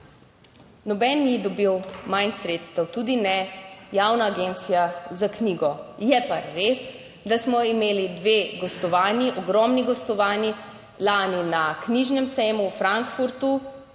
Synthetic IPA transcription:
nɔbɛnːid̪ɔbiwmajnsɾet̪st̪əwt̪ud̪inɛjaːwnaːɡent̪sijazakniːɡɔjɛpaɾes | d̪asmɔimeːlid̪ʋeɡɔst̪ɔʋaːnjiʔɔɡɾɔːmniɡɔst̪ɔʋaːni | laːninakniʒnɛmsɛjmuwfɾaŋkfuɾt̪u

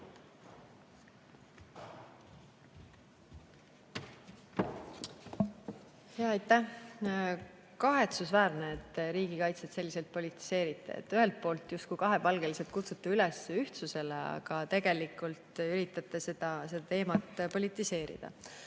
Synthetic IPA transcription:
heɑɑjt̪ːˑæh | kɑɦe̞t̪susvæːɾneet̪ːˑɾiːɡ̥ikɑjt̪set̪se̞lːise̞lt̪̚po̞lit̪ˑːi̥se̞ːɾit̪ˑːḛḛt̪ːˑyɦe̞lt̪̚po̞ːlt̪ˑjust̪̚kujkɑɦe̞pɑlɡ̥e̞liset̪̚kut̪sut̪ːˑeylesyht̪suse̞leɑ̰ɡ̥ɑt̪e̞ɡ̥e̞likˑult̪yɾit̪ːˑɑt̪ˑːese̞d̪̥ɑse̞d̪̥ɑt̪e̞ːmɑt̪ːpo̞lʲit̪ˑːise̞ːɾḭd̪̥ɑ̰

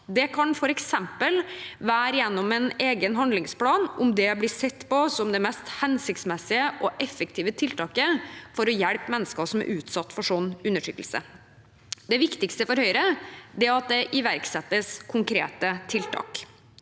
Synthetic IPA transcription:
d̪ɛkʰɑnfɔɾɛksɛmpəlʋæːɾjɛnːɔmɛneːɡənɦɑnd̪lɪŋspʰlɑːnʊmd̪ɛblɪsɛt̪ːpɔsɔmd̪ɛmɛst̪hɛnsɪkt̪smɛsːɪəʔɔʔɛfːək̚t̪ʰiːʋət̪ʰɪlt̪ʰɑːkəfɔɾɔjæɽpmɛnːəskəsɔmæ̰ɾʔʉːt̪sɑt̪ːfɔʂɔnʉnːəʂʏkːəl̩sə̰ | d̪ɛʋɪkt̪ɪkst̪əfɔɾhœʏɾəd̪ɛɾɑt̪̚d̪ɛʔɪʋæɾksɛt̪ːəskʰʊŋkʰɾḛːt̪ət̪ʰɪlt̪ʰɑ̰ːk

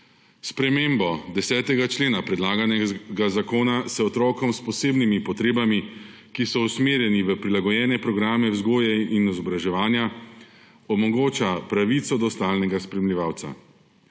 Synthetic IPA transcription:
spɾɛmeːmbɔd̪ɛsɛːt̪ɛɡat͡ʃleːnapɾɛd̪laːɡanɛɡazakoːnasɛɔt̪ɾɔːkɔmspɔseːbnimipɔt̪ɾeːbami | kisɔusmeːɾjɛniʋəpɾilaɡɔjɛːnɛpɾɔɡɾaːmɛwzɡoːjɛinizɔbɾaʒɛʋaːnja | ɔmɔɡoːt͡ʃapɾaʋit̪sɔd̪ɔst̪aːlnɛɡaspɾɛmlʲiʋaːwt̪sa̰

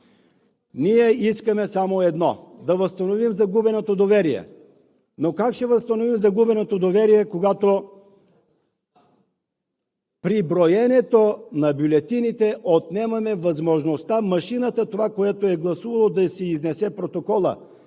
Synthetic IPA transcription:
niɛiskəmɛsamoɛd̪nɔd̪ɐvəst̪ɐnovimzɐɡubɛnot̪od̪ovɛɾiɛ̰ | nokakʃɛvəst̪ɐnovimzɐɡubɛnot̪od̪ovɛɾijɛkoɡat̪o | pɾibɾojɛnɛt̪onɐbʲjulʲɛt̪init̪ɛʔot̪nɛmɐmɛvɐzmoʒnost̪amɐʃinət̪ət̪ovakojat̪oɛɡlˠɐsuvɐlˠod̪ɐsɛiznɛsɛpɾot̪okɔlˠə̰

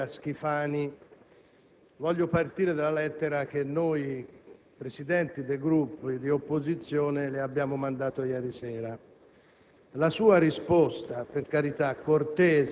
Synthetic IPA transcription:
ask̟ifaːni | vɔʎːopart̪iːɾed̪alːalɛt̪ːeɾak̟enːoːj | pɾesid̪ɛnt̪id̪ejɡɾupːid̪iopːozit̪sːjɔːnelɪabːjaːmomand̪aːt̪ojɛːɾisɛːɾa | lasuːaɾispɔst̪aperkaɾit̪akːort̪ɛːz

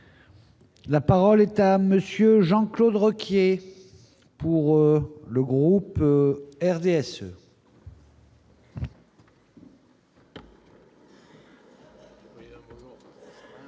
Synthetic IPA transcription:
lapaʁɔlɛt̪aməsjøʒɑ̃klod̪ʁɔkje | puʁləɡʁup | ɛʁd̪eɛsø̰

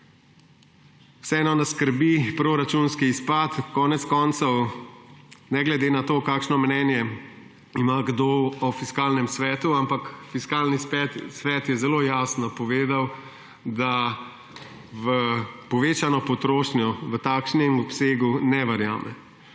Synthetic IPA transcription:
wsɛɛːnɔnaskəɾbipɾoɾat͡ʃunskiːspat̪kɔːnɛt̪skɔnt̪sɔw | nɛɡlɛd̪eːnat̪oːkaːkʃnɔmnɛːnjɛ | imaɡd̪oɔfiskaːlnɛmsʋɛːt̪uampakfiskaːlnispɛt̪sʋɛt̪jɛzɛloːjaːsnɔpɔʋeːd̪aw | d̪a | ʋəpɔʋeːt͡ʃanɔpɔt̪ɾoːʃnjɔʋət̪aːkʃnɛmɔpseːɡunɛʋɐɾja̰ːmɛ̰

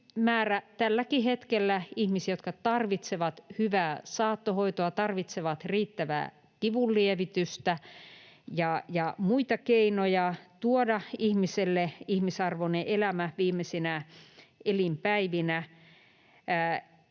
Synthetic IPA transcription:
mæːræt̪ælːækihet̪kelːæihmisiæjot̪kɑt̪ɑrʋit̪seʋɑt̪hyʋæːsɑːt̪ːohoit̪oɑt̪ɑrʋit̪seʋɑt̪riːt̪ːæʋæ̰ː | kiʋulːieʋit̪yst̪æ | jɑjɑmuit̪ɑkeinojɑt̪uodɑihmiselːeihmisɑrʋoneʔelæmæʋiːmːˑesenæ | elimpæiʋinæ

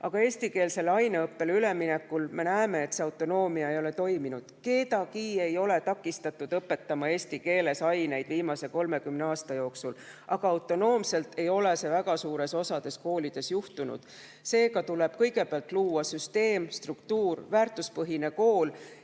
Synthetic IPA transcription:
ɑɡ̥ɑe̞ːsʲt̪ike̞ːlse̞lɑjneɤpːe̞lyleminekːulme̞næeme̞ːt̪se̞ɑwt̪ːˑo̞no̞ːmiɑejo̞le̞t̪o̞jminud̪̥ke̞ːt̪ɑkiːe̞jo̞le̞t̪ɑkːˑist̪ɑt̪ːˑud̪̥ɤpːe̞t̪ːɑmɑe̞ːsʲt̪ike̞ːle̞sɑjne̞jd̪̥viːmɑse̞ko̞lme̞kymneɑːst̪ɑjo̞ːksul | ʔɑɡ̥ɑɑwt̪ːˑo̞no̞ːmse̞lt̪ʰe̞jo̞le̞se̞væɡɑsuːɾe̞so̞sɑd̪̥e̞sko̞ːlid̪̥e̞sjuht̪unṵd̪̥ | se̞ːɡɑt̪ule̞b̥̚kɤ̞jɡe̞peɑlt̪ːˑluːwɑsyst̪e̞ːmst̪rukt̪uːrvæːrt̪ːˑuspɤɦine̞ko̞ːl

